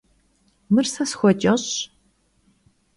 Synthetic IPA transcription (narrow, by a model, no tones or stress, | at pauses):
mɨrsɐsxʷɔt͡ʃʼɐɕ